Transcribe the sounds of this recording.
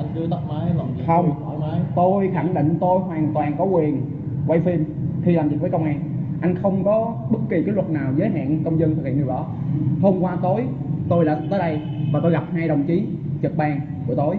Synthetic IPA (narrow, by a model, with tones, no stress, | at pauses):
ʔa˧ŋt͡ɕɨ˧˦t̪ə˦˥k̚maː˨˦jxə˧wŋ͡mmaː˨˦jt̪o˧jxa˧˩ŋɗḭ̈˧˨ŋ̟t̪o˧jɦwaː˨˩ŋt̪waː˨˩nkɔ˨˦wkwi˨˩ən | kwa̰˧˨jfi˧m | xi˧laː˨˩mzḭ˨˩vəː˨˦jkə˧wŋ͡mʔaː˧n | ʔa˧jŋ̟xə˧wŋ͡mkɔ˨˦ɓə˦˥t̚kːi˨˩kaː˨˦jlwə˨˩t̚naː˨˩wzəː˨˦jɦa̰ː˧˨nkə˧wŋ͡mzə˧nɨ˨˩khḭ˧˨ni˨˩ɗɔ˨˦ho˧mkwaː˧t̪o˧˩j | t̪o˧jlaː˨˩t̪əː˨˦jɗə˧j | vaː˨˩t̪o˧jɣa˨˩p̚haː˧jɗə˨˩wŋ͡mt͡ɕi˨˦ | t͡ɕə˨˩k̚ɓaː˧ŋ | ku˧˩ət̪o˧˩j